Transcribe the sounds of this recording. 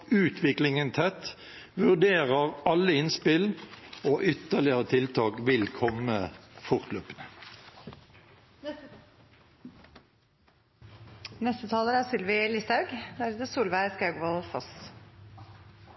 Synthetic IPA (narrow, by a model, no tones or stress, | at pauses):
ʉːt̪ʰʋɪklɪŋənt̪ʰɛt̪ | ʋʉʁd̪eːʁəʁɑlːəɪnspɪloːʔʏt̪əʁlɪəʁət̪ʰɪlt̪ʰɑːkʋɪlkʰɔməfʊʁt̪løːpənə | nɛst̪ət̪ʰɑːləɾæːsʏlʋɪlɪst̪ɑʉɡd̪æɾʉːt̪əsuːlʋæɪskɑʉɡʋɔlfɔs